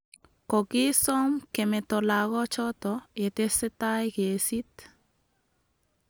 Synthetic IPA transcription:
kɔ˨ki˦sɔ˦mke˨mɛ˨tɔ˨la˨ɣɔ˦t͡ʃɔ˦t̪ɔ˨e˨t̪e˦sɛ˦ta˦jke˨si˦t̪

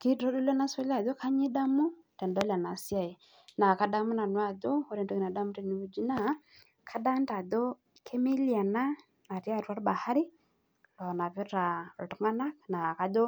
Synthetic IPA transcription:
ki˦ɾɔ˦do˦lɔ˦na˦sɛ˦la˨ðo˦kʰa˦ɲi˦da˦mu˦ | tɛ˨nda˦la˨na˨sja˨i˨ | na˨ka˦da˦mu˦na˨nwa˦˨ðo˦o˦ɾɛ˨ndɔ˦ki˨na˨da˦mu˦ɾi˦ni˨u˦d͡ʒi˦na˦˨˦ | kʰa˦da˦n˦ta˨dɔ˦ | kʰɛ˦mi˦lia˨naː˦˨ | ɾja˦˨ɾwa˦ɾba˨ha˦ɾi˦ | lɔ˨na˨βɛ˦ɾa˨tɔ˨˦ŋa˦na˦kna˨ka˦do˦

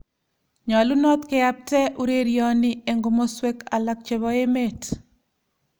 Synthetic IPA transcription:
ɲɔ˨lu˦nɔ˦t̪ke˦a˦p̚tɛ˦ʔu˦ɾe˦ɾjɔ˦nɪ˦e˨ŋɡo˨mo˦swe˦ka˨la˨k̚t͡ʃe˨βɔ˦e˦me˦t

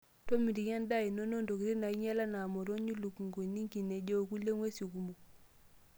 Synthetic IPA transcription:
to˦mi˨di˨ɲa˦nda˦˨i˨no˦no˦ndo˨kɾi˦na˨i˦ɲa˦la˦na˨mo˨ɾo˦ɲu˦lu˨ku˨ŋɡo˨ni˦ŋki˨ne˨ɟo˦˨ku˦le˦ŋwe˦su˨ku˨mo˨

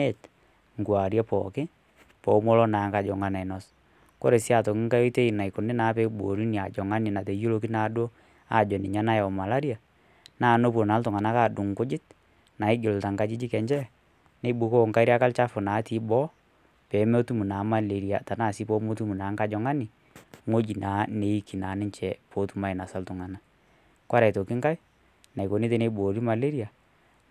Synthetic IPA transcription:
e˦˨t | ŋ˨ɡwa˨ɾjɛ˦pɔ̰˨kɪ˦ | pɔ˨˦mɔ˦lɔ˦na˨˦ŋka˨d͡ʒɔ˨ŋa˦na˨ɪ˨nɔ˨s | ko˦ɾe˨si˦a˨to˨kɪ˦ŋka˦jo˦i˦te˦i˨na˨i˨ko˨ne˦na˨˦pe˦bo˨ɾi˦ni˨a˨d͡ʒɔ˨ŋa˦nɪ˨na˨te˨˦jo˦lo˦ki˦na˨˦do˦ | a̰˦˨d͡ʒɔ˨nɪ˨ɲa˦na˦jɔ˨ma˨la˦ɾja˨ | na˦˨no˦p̬wo˨na˨˦ltʊ˨ŋa˨na˦ka˦˨du˨ŋkʊ˦d͡ʒɪ˦t̚ | na˨ɪ˦d͡ʒo˨lta˨ŋka˦d͡ʒi˦d͡ʒi˦kɛ˨ɲd͡ʒɛ˦ | ne˨˦bu˨˦ko˦˨ŋka˦ɪ˦ɾi˦a˦ka˦lt͡ʃa˦fʊ˨na˨˦ti˨˦bɔ˦ | pɛ˨˦mɛ˦o˦tu˦mu˨na˨˦ma˦˨le˨ɾi˨a˨ta˨na˦˨si˦po˦mo˦tu˦mu˨na˨˦ŋka˦d͡ʒɔ˨ŋa˦nɪ˨ | ŋo˦d͡ʒi˨na˨˦ne˨˦i˦ki˨na˨˦nɪ˦ɲt͡ʃɛ˨po˨˦tu˦ma˦ɪ˨na˨sa˦ltʊ˨ŋa˨na˦ | kwa˦ɾa˨to˨ki˦ŋka˦j | na˨i˨ko˨ne˦t̬e˦ne˦bo˨ɾi˦ma˨le˦ɾi˦a˨

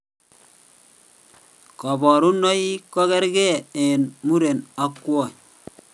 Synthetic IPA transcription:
kɔ˨bɔ˨ɾu˦nɔ˦i˦kɔ˦kɛ˦ɾke˦˨e˨nmu˦ɾe˨na˨˦kːwɔ˦˨

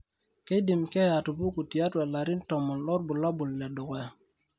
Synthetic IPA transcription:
ke˦di˨mke˦ja˨tu˨bu˦ku˨ti˨ja˦twe˨la˨ɾi˦nto˨mo˨llo˦ɾbu˨lːa˦bu˨lːe˨do˨ke˨˦˨

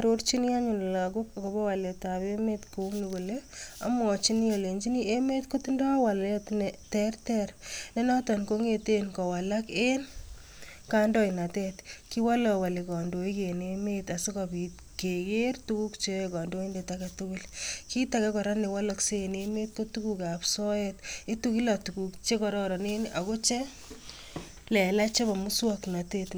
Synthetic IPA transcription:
ɾoɾt͡ʃi˦ni˦a˦ɲu˨n˨la˨kʊkako˨bɔ˦wa˨le˨taβemetko˨ukniko˨lea̰mɔt͡ʃini˦ɔ˨le˨ɲd͡ʒi˦nie˦me˦tko˦tindɔ˦wa˨lɔtnɛtɛrtɛɾnɛnɔ˦tɔnko˦ŋetenkɔ˨walaken | kandɔ˦ina˨tɛtki˦wa˦lɔwa˨li˨kɔ˨ndo˨i˦kenemeta˨si˦kabi | ke˨ɣertu˦ku˦kt͡ʃe˦ekɔ˨ndo˦i˦ndetaketukilki˦ta˨kɛ˦kɔ˨ɾa˦ne˨wa˦lɔkse˦ne˦me˦t̚ko˦tukukapsɔ˦ɛti˦tuki˦latukukt͡ʃe˦kɔ˨ɾɔ˦ɾɔ˨ne˦nʔa˨ko˦t͡ʃe˦ | lɛ˨la˦t͡ʃe˦ba˨mu˦swakna˨tet

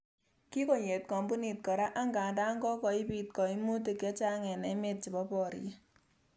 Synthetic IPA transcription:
ki˦ko˨ɲe˨t̚kɔ˨mbu˦ni˨t̚kɔ˨ɾa˦ʔa˦ŋɡaː˨da˦ŋɡɔ˦kɔ˨ɪ˦pi˦tkɔ˨i˦mu˦t̬e˨kɛ˦t͡ʃa˦ŋɛ˨nɛ˨˦me˦t̚t͡ʃɪ˨bɔ˦pɔ˨ɾ̰je˦

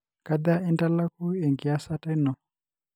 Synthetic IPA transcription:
ka˦d̪a˦i˦nda˦la˦ku˦e˨ŋɡi˨a˦sa˦ta˦nɔ˨

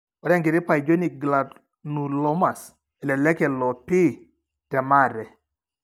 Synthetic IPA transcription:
ɔ˨ɾɛ˦ŋɡɪ˨ɾɪ˦pa˨i˨d͡ʒo˦ni˨ɡla˨d | nu˨lɔ˦ma˨s | ɛ˨lɛ˨lɛ˦kɛ˨lɔ˨pi˦ | tɛ˨ma˦˨ɾɛ˨

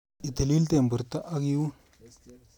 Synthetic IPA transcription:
i˨ta˨li˦lte˨m˨bu˨ɾta˦ʔa˦ɡi˦wu˦

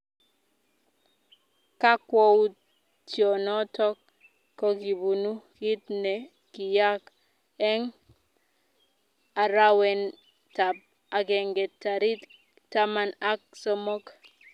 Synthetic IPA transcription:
ka˦kwɔ˦u˦t | tjɔ˨nɔ˦tɔ˦kː | o˦ki˨bu˨nu˦ki˦tne˨ | ki˨ja˦k | ɛ˦ŋ | a˨ɾa˦wɛ˨n | ta˨p̚ | a˨ɡɛ˨ŋɡɛ˨tːa˨ɾi˦t | ta˦ma˨na˦k̚sɔ˦mo˦k

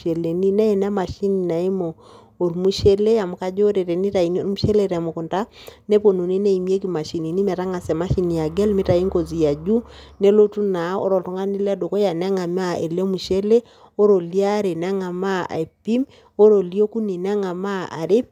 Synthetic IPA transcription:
e˨le˨ni˦nɛ˦e˨n˦a˦ma˨ʃi˦ni˨na˨e˦mo˨ | o˨ɾmu˦ʃe˦le˦a˨mu˨ka˦d͡ʒo˦ɾe˨ɾe˨ni˦ta˨i˨n˦o˦˨˦mu˦ʃe˦le˦˨ɾɛ˨a˨mu˨ku˨nta˦ne˦po˨no˨ni˦ne˦i˨mje˦ki˨ma˨ʃi˨ni˨ni˦mɛ˨ta˦ŋa˨sɛ˨ma˦ʃi˦ni˨ja˨ɡɛ˦lmi˦ta˨i˦ŋko˨zi˨ja˨d͡ʒu˦ne˦lo˦tu˦na˨˦ɔ̰˦ɾɔ˨ltɔ˦ŋa˦ni˦la˦do˨ko˦ja˨n˦ŋa˨m˦a˦e˨le˦mu˨ʃe˦le˦ | o˦ɾo˨li˦a˦ɾe˨n˨a˦ŋa˨ma˦a̰˨e˨pi˦m | o˦ɾo˨li˦o˦ku˦ni˨n˦a˦ŋa˨ma˦a̰˨ɾe˦p̚

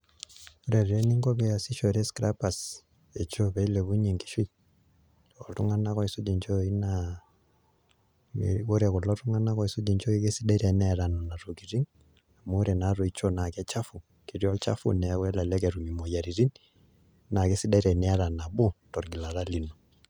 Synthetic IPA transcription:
o˦ɾa˨ɾi˨ɾɛ˦ni˦ŋɡɔ˦bɛ˦a˨si˦ʃo˨ɾɛ˦skɾa˦pa˨s | e˨t͡ʃo˦pɛ˨i˦lɛ˨βu˦ɲɛ˨ŋki̥˨ʃi˦ | ɔ˨tu˦ŋa˦na˦kɔ˦i˨su˦d͡ʒi˨ɲt͡ʃo˦i˦na | o˦ɾɛ˨kɔ˨lɔ˦tu˦ŋa˦na˦kɔ˨i˨su˦d͡ʒi˨ɲt͡ʃɔ˦i˦ke˦si˦da˦i˦ɾɛ˨nɛ˦˨ɾa˨nɔ˨na˨ɾo˨ki˨ɾi˦ŋ | a˨mu˦ɾɛ˨na˨ɾɔ˨i˦t͡ʃo˦na˨kɛ˦t͡ʃa˦fu˨ | ki˨ɾjɔ˦t͡ʃa̰˦fṵ˨nɛ˨˦kwɛ˦la˨lɛ˦kɛ˨ɾu˨mi˨mɔ˨ja˨ɾi˨ɾi˦n | na˨kɛ˦si˦da˦i˦ɾɛ˨nɛ˦a˦ɾa˨na˨bu˦tɔ˨ɾɡi˨la˨ɾa˦li˨nɔ˨

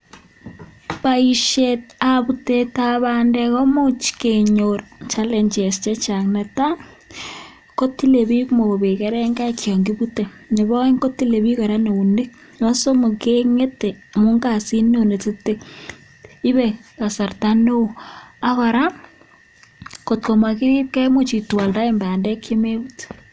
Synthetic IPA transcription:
pa˨i˨ʃet̚a˨βu˨te˨ta˨βa˨ndɛ˨kɔ˦mo˦t͡ʃke˨ɲo˨rt͡ʃa˦leɲd͡ʒe˨st͡ʃɛ˦t͡ʃa˨kna˨ta˦ | ko˦ti˦le˨βi˦kmo˨βe˨ke˦ɾɛ˦ŋɡa˦kʰjɔ˨ŋɡi˦βu˦te˨ | ne˨βɔ˦e˦ŋko˦ti˦le˨βi˦kɔ˨ɾa˦ne˨u˨ne˦k̚ | ɔ˦so˦mo˨ke˦ŋe˦te˨mo˦ŋɡa˨si˦no˦ne˨te˦te˦˨ | ɪ˦βɛ˨ka˨sa˨rtano˦˨a˦kɔ˨ɾa˦ | ko˨t̚ko˨ma˨kɪ˦ɾi˦p̚kɛ˦mo˦t͡ʃi˨twa˨lda˦e˦mba˨a˨ndɛ˦kʰje˦me˦but

